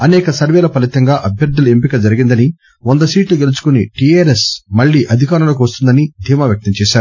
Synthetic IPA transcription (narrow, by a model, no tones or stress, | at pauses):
ɐnɛːkɐsɐɾʋɛːlɐpɐlit̪ɐŋɡaːʔɐbʱjɐɾd̪ːuluempikɐd͡ʒɐɾiɡind̪ɐni | ond̪ɐsiːʈluɡe̞lut͡ʃu̥kuniʈiaːɾesmɐɭːiːʔɐd̪ʱikaːɾɐloːkuʋɐst̪und̪ɐnid̪ʱiːmaːʋjɐk̚t̪ɐmt͡ʃɛːʃaːɾu